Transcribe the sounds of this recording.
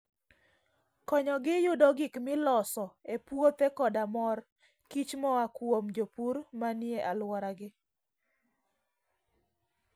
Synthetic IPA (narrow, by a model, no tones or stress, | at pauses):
kɔɲɔɡɪjʊdɔɡɪkmɪlɔsɔepwot̪ekɔdamɔr | kit͡ʃmɔakwomd͡ʒopuɾmanɪjeʔalwɔɾaɡɪ